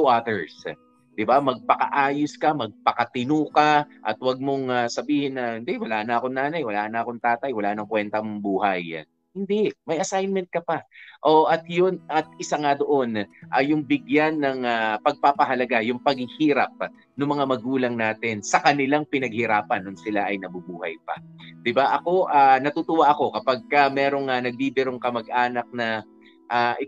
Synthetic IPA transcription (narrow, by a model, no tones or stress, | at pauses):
uʔat̪ɛɹs | d̪̥ɪbamɐɡ̚pɐkɐ̰ʔaːjʊskɐmɐɡ̚pɐkɐt̪ɪnuːkaʔɐ̰t̪wɐɡ̚moŋasɐbiːhɪnːɐhɪnd̪ɛwɐlaʔnɐʔɐkonnaːnɐjwɐlaːnɐʔɐkoŋt̪aːt̪ɐjwɐlaʔnɐŋkwɛnt̪ɐmbuːhɐj | hɪnd̪ɛʔmɐjɐsajnmɛnt̪̚kɐpaʔoʔɐt̪jonʔɐt̪̚ɪsaŋad̪o̞ʔo̞nʔɐjʊŋbɪɡjanːɐŋapɐɡ̚papɐɦɐlɐɡajʊŋpɐɡ̚hɪhiːɾɐp̚ | nʊŋmɐŋamɐɡuːlɐŋnaːt̪ɪnsɐkɐnɪlaŋpɪnɐɡ̚hɪɾaːpɐnːʊnsɪlaʔɐjnɐbubuːhɐ̰jpɐ̰d̪̥ɪbaʔɐko̞ʔaːnɐt̪ut̪ʊwaʔɐko̞kɐpaɡ̚kamɛːɾo̞ŋɐnɐɡ̚bibɛɾoŋkɐmɐɡ̚ʔaːnɐk̚nɐ | ʔaʔɪ